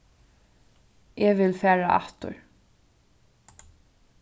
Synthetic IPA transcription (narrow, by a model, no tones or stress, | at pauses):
ʔɛʋɪlfæːɹaʔa̰ht̪ʊ̰ɹ